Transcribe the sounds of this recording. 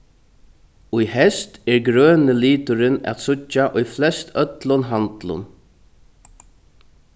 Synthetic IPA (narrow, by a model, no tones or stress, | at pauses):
ʊjhɛst̪ɛɹɡɾœːnɪliːt̪ʊɾɪnæ̰t̪sʊt͡ʃːaʔʊjflɛst̪œt̪lʊnɦant̪lʊ̰n